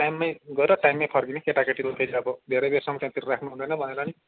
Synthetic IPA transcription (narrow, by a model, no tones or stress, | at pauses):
ʈajmːajɡʌeɾʌʈajmːajpʰʌrɡinekeʈakeʈilopʰeɾiʌbʌd̪ʱeɾʌjbesʌmtãt̪iɾrakʰnuɦund̪ʌjnʌbʱʌneɾʌni